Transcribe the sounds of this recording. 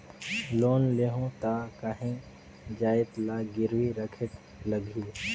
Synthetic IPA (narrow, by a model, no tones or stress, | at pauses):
loːnleɦõt̪akaɦẽ | d͡ʒaːɪt̪laːɡɪɾʋiɾəkʰɪʈ | ləɡʱiː